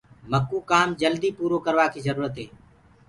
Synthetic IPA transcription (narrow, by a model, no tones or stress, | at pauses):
məkːuːkaːmd͡ʒəld̪iːpuːɾoːkəɾʋaːkiːzəɾuːɾət̪ɦeː